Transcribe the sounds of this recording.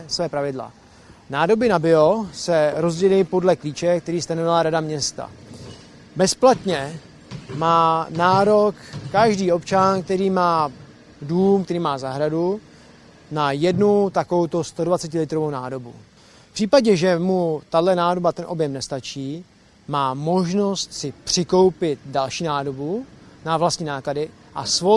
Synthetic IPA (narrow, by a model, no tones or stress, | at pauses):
svɛːpɾavɪdla̰ | naːdo̞bɪnabɪosɛɾo̞zɟɛlɪpo̞dlɛkliːt͡ʃɛk̚t̪ɛɾiːst̪anovɪlaɾadamɲɛst̪a̰ | bɛsplat̪ɲɛ | maːnaːɾo̞kːaʒdiːo̞pt͡ʃankt̪ɛɾiːmaː | duːmkt̪ɛɾiːmaːzaɦɾadu | najɛdnut̪akovowt̪ost̪o̞dvat͡sɛcɪlɪt̪ɾo̞vownaːdo̞bṵ | pr̥iːpaɟɛʒɛmut̪adlɛnaːdo̞bat̪ɛnʔo̞bjɛmnɛst̪at͡ʃiː | maːmo̞ʒno̞st̪sɪpr̝̥ɪko̞wpɪt̪̚dalʃiːnaːdo̞bunavlast̪ɲiːnaːkladɪ | ʔasvo